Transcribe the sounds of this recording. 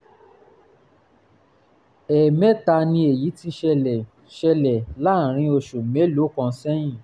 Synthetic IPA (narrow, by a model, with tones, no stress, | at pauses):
ɛ˨mɛ˦ta˧nĩ˧e˨ji˨˦ti˦ʃɛ˧˨ | ʃɛ˧lɛ˨la˨˦˨ɾ̃ĩ˧o˧ʃo˨me˨˦lo˨˦kɔ̃˧˦sɛ˦jĩ˦˨